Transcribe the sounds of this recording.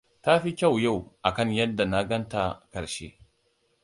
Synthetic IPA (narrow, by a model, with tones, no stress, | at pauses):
ta˦ɸi˦kʲa˦˨wja˦˨wʔa˨kɐ˦ɲjɐ˦dːa˨na˦ɡɐ˦nta˨kɐ˨ɾʃḛː˦